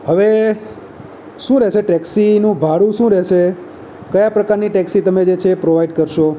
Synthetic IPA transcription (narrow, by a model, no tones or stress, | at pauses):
ɦəʋe | ʃũɾɛʃeʈɛksinũbʱaɽũʃũɾɛʃe | kəjapɾəkaɾniʈɛksit̪əmed͡ʒet͡ʃʰepɾoʋaiɖkəɾʃo